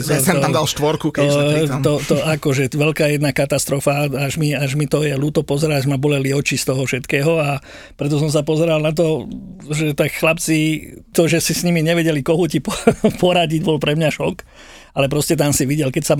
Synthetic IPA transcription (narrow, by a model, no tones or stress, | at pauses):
ɔamd̪alʃt̪ʋɔɾkuk̪ɔɔt̪ɔakɔʒɛʋɛlkaːjɛd̪nakat̪ast̪ɾɔfaaʒmiaʒmit̪ɔjɛluːt̪ɔpɔzɛɾaaʒmabɔlɛliɔt͡ʃist̪ɔɦɔfʃɛt̪kɛːɦɔa | pɾɛt̪ɔs̬ɔms̬apɔzɛɾalnat̪̬ɔʒɛt̪akxlapt͡sit̪ɔʒɛsisɲimiɲɛʋɛɟɛlikɔɦucipɔpɔɾaɟiɟbɔlpɾɛmɲaʃɔk | alɛpɾɔscɛt̪ansiʋiɟɛlkɛcsa